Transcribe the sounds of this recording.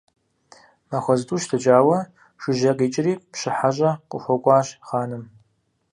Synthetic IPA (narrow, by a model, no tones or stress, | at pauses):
mɐxʷɐztʼuːʃtʰɨt͡ʃʼaːwɐ | ʂɨʒɐqeːt͡ʃʼɪriːpɕɪħaʑʼɐqʷʼʊxʷɔkʷʼɑːɕχaːnɨm